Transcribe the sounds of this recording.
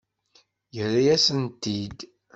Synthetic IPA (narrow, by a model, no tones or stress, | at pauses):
jərːajæsənt̪id̪